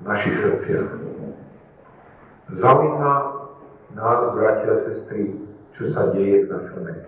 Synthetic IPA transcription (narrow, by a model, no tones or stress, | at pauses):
naʃisrt͡sɪa̰ | zamiːma | naːzbɾacɪasɛst̪ɾit͡ʃɔsaɟɛjɛvnat͡ʃɛnɛ